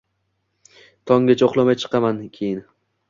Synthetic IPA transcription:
t̪ʰɒŋɡʲat͡ʃʰaoqlˠamajt͡ʃʰɨ̥qʰɑmankʲʰejɪn

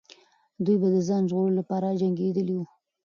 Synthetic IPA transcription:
d̪ujbad̪əzɑnʒɣoɾolapɑɾad͡ʒaŋɡed̪əliwu

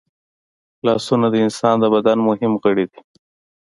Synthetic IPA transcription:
lɑsunad̪əɪnsɑnd̪əbad̪anmʊɦɪmɣəɽid̪i

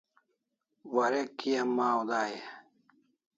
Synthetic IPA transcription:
wɐɾekːijɐmːaːod̪aːje

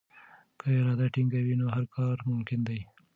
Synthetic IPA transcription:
kəɪɾɑd̪aʈɪŋɡawinoɦaɾkʰɑɾmʊmkɪnd̪aj

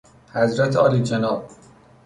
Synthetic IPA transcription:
hæzɾæt̪ʰeɒːliːd͡ʒenɒːb̚

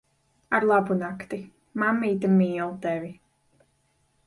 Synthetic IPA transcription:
aɾlˠabunakt̪i | mamːiːt̪̬amiːlˠt̪ɛvi

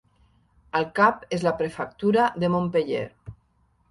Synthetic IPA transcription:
əlˠkapezlapɾefak̚t̪uɾaðemõmpeʎḛɾ

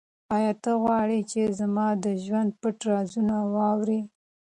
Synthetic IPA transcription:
ɑjɑt̪əɣwɑɽit͡ʃezamɑd̪əʒwand̪̚pəʈɾɑzunawɑwɾi

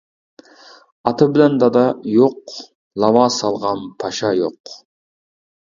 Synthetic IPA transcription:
ɑt̪ʰɨbɪlɛnd̪ɑd̪ɑjoq | lˠɑwɑːsɑlˠʁɑnpʰɑʃɑjoq

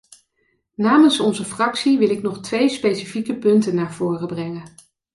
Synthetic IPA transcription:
naːmənsɔnzəfrɑksiʋɪlɪknɔχtʋejspejsifikəpɵntənːaːɹv̥ʊːrəbrɛŋən

